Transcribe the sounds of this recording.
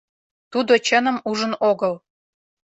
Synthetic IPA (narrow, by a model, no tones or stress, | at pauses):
t̪ud̪ot͡ɕənə̆muʒə̆noɣɤl